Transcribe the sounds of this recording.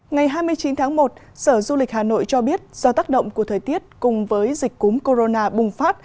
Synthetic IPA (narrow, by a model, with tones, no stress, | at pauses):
ŋa˨˩jɦaː˧jmɨ˧əjt͡ɕi˨˦nt̪ʰaː˨˦ŋmo˨˩t̚ | səː˧˩zu˧lï˨˩k̟̚haː˨˩no̰˧˨jt͡ɕɔ˧ɓi˦˥ət̚z̥ɔ˧t̪aː˦˥k̚ɗə̰˧˨wŋ͡mku˧˩ət̪ʰəː˨˩jt̪i˦˥ət̚kʊ˨˩ŋ͡mvəː˨˦jzï˨˩k̟̚ʲkːu˨˦mko˧zo˧naː˧ɓʊ˨˩ŋ͡mfaː˦˥t̚